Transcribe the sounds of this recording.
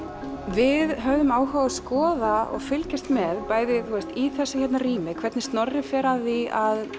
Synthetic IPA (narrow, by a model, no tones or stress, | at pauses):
vɪðɦœvðʏmaːwɦawaskɔːðaɔ̰ɣfʏlcast̪mɛðpaːjðɪθuɛst̪iθɛsːaçɛt̪nariːmɪkʰvɛɾt̪nɪst̪nɔɾrːɪfɛːɾaðiað